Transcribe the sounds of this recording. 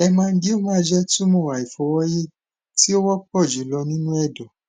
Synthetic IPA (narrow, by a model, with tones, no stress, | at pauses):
ɛ˧mãː˧n̩˦di˦o˦mã˦d͡ʒɛ˦tũ˦mũ˦˨wa˨i˨fɔ˧wɔ˦je˦ | ti˦o˦wɔ˦k͡p̚ɔ˦˨d͡ʒi˨˦lɔ˧nĩ˦nũ˦ɛ˦˨dɔ˨